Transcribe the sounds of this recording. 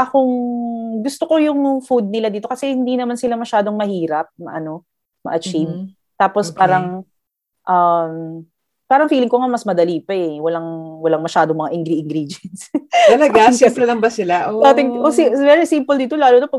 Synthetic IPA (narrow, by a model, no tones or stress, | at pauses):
ʔɐkoŋɡʊst̪oko̞jʊŋfud̪̚nɪlad̪iːt̪o̞kɐsɛhɪnd̪inɐmansɪlamɐʃaːd̪o̞ŋmɐhiːɾɐp̚mɐ̰ʔɐno̞ | mɐ̰ʔɐt͡ʃiv | t̪aːpospaːɾɐŋ | ʔɐm | paːɾɐŋfiːlɪŋkoŋamɐsmɐd̪ɐliːpɐɛwɐlaŋwɐlaŋmɐʃaːd̪oŋmɐŋaʔɪŋɡɾʔɪŋɡɾid͡ʒɛnst̪ɐlɐɡaʃɛmpɾɛlɐŋbɐsɪlaʔoat̪ɪŋʔoivɛɾisimpʊld̪iːt̪olaːlonɐpɐ